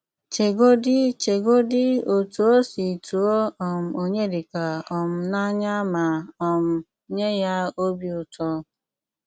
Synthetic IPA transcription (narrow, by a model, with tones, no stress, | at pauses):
t͡ʃe˨ɡo˦dɪ˦t͡ʃe˨ɡo˦dɪ˦o˨tu˨o˦si˨tu˨o˦ɔ˨m̩˨o˦ɲe˦dɪ˨ka˨ɔ˨m̩˨na˦ɲa˦ma˨ɔ˨m̩˨ | ɲe˦ja˦o˦bi˦ʊ˨tɔ˦